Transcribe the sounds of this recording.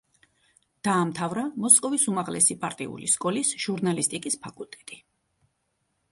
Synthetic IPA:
d̪̥aːmt̪ʰavɾamɔskʼɔvisumaʁlɛ̰sipʼaɾt̪ʼḭṵlḭskʼɔlisʒ̥uɾnalist̪ʼikʼispʰakʼulˠt̪ʼɛ̥t̪ʼi

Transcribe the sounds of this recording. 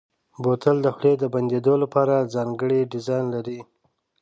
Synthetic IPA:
bot̪əld̪əxɽed̪əband̪ed̪olapɑɾazɑŋɡəɽiɖɪzɑjnlaɾi

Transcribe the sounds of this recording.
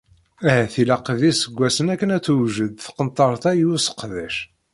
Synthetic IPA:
æhæθilæqvisəɡʷːæsənækːənæt͡sːuwʒəd̪θqənt̪ˤːɑɾˤθæjusə̥qːðæʃ

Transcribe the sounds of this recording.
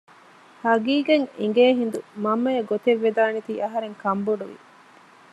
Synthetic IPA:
hɐɡiːɡeŋiŋɡeːɦind̪umɐmːɐjeɡot̪eʋːed̪aːnit̪iːʔɐɦɐɾeŋkɐmboɖuʋḭ

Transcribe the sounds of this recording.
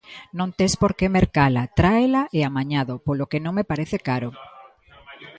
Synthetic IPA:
nõnt̪espoɾkemeɾkalat̪ɾaelaʔeamaɲaðopolokenõŋmepaɾeθekaɾo

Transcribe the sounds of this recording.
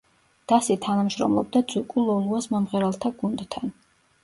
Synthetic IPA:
d̪̥asit̪ʰanamʃɾɔ̰mlˠɔb̚d̪ad̪zukʼulˠɔlˠuasmɔmʁɛɾalˠt̪ʰaɡund̪t̪ʰan

